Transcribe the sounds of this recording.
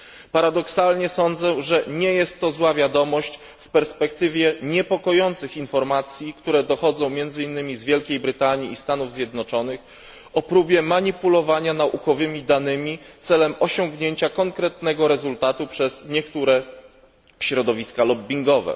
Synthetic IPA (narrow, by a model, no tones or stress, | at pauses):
paɾad̪ɔksalɲɛsɔnd̪zɛʐɛɲɛjɛst̪ːɔzwavʲjad̪ɔmɔɕt͡ɕ | fpɛɾspɛkt̪ɘvʲjɛɲɛpɔkɔjɔnt̪sɘxinfɔɾmat̪sʲjikt̪uɾɛd̪ɔxɔd̪zɔ̃w̃mʲjɛnd̪zɘinːɘmʲizvʲjɛlkʲejbɾɘt̪aɲiːst̪anuvzʲjɛd̪nɔt͡ʂɔnɘx | ɔpɾubʲjɛmaɲipulɔvaɲanaʔukɔvɘmʲid̪anɘmʲit̪sɛlɛmɔɕɔŋɡɲeɲt͡ɕakɔŋkɾɛt̪nɛɡɔɾɛzult̪at̪upʂɛz̥ɲɛkt̪uɾɛ | ɕɾɔd̪ɔvʲiskalɔbbʲiŋɡɔvɛ̰